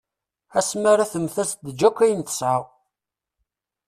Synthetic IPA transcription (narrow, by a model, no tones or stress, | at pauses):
æsmæɾæθəmθæsd̪əd͡ʒækʷːæjənt̪ə̥sʕaw